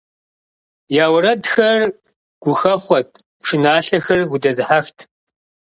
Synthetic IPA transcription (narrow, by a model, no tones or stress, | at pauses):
jaːwɾɐdxɐr | ɡ̥ʷʊxɐχʷɔtʰʼ | ʂɨnaːɬɐxɐrɡʷʊdɐzɨħaxtʰ